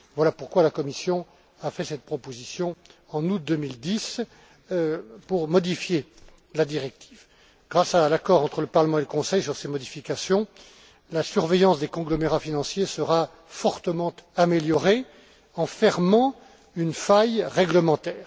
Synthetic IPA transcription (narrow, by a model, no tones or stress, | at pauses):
vwalapuʁkwalakɔmisjɔ̃ | afɛsɛt̪̚pχɔpozisjɔ̃ɑ̃nut̪̚d̪ømild̪is | puʁmɔd̪ifje | lad̪iʁɛk̚t̪ʰi̥v | ɡ̥ʁasalakɔʁɑ̃t̪χələpaʁləmɑ̃eləkɔ̃sɛjsyʁsemɔd̪ifikasjɔ̃ | lasyʁvɛjɑ̃sd̪ekɔ̃ɡlɔmeʁafinɑ̃sjesəʁa | fɔʁt̪əmɑ̃t̪ameljɔʁe | ɑ̃fɛʁmɑ̃ | ynfajʁɛɡləmɑ̃t̪ɛːʁ